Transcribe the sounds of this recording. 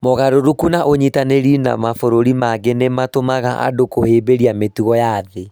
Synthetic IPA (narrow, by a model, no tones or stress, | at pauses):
mɔɣaɾoɾukunaʔoɲitaneɾina̰mafoɾoɾimaɡenematomaɣaʔa̰dokoheːbeɾiametuɣɔjaðe